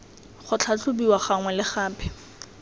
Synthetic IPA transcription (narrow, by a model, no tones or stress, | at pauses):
χʊt͡ɬʰat͡ɬʰʊbiwaχaŋwɛlɪχaːpʰɪ̥